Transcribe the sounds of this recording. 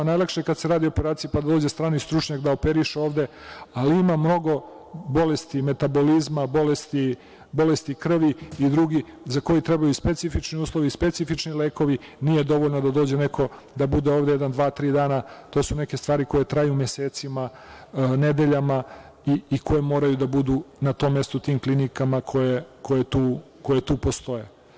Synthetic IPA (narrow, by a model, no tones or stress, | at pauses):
najlakʃekad̪seɾaːd̪io̞peɾaːt̪sijepad̪ad̪oːd͡ʑest̪ɾaːnist̪ɾut͡ʃɲakd̪aopeɾiʃeo̞ːʋd̪e̞ | aliimamno̞ɡo̞ | bo̞lest̪ime̞t̪abo̞lizmabo̞lest̪i | bo̞lest̪ikr̩ʋiːd̪ɾuɡizako̞jit̪ɾebajuispe̞t̪sifit͡ʃniuːslˠo̞ʋispe̞t̪sifit͡ʂnileːko̞ʋiniːje̞d̪o̞ʋo̞lnod̪ad̪o̞ːd͡ʑe̞nekʰo̞ | d̪abud̪eo̞ːʋd̪ejɛd̪and̪ʋaːt̪ɾiːd̪aːnat̪o̞ːsune̞ke̞st̪ʋaːɾiko̞je̞t̪ɾajumjeseːt̪sima | ne̞d̪e̞ʎama | iːko̞jemo̞ːɾajud̪abud̪uːnat̪o̞ːmːe̞st̪ot̪iːmklinikamakʰo̞jeko̞jet̪uː | ko̞jet̪uːpost̪o̞je